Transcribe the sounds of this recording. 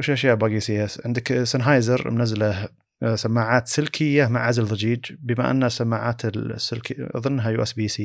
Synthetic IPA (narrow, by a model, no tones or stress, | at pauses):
wɪʃʔaʃjaːʔbaːɡiːsijːaʕɪnd̪ɪksanɦaːjzɑɾˤmnazla | samːaːʕaːt̪sɪlkʰɪjːamaʕʕazalðˤɪd͡ʒiːd͡ʒbɪma̰ʔa̰nːasamːaːʕaːt̪ɪlsːɪlkðˤɨnːɦajuːʔɛsbiːsiː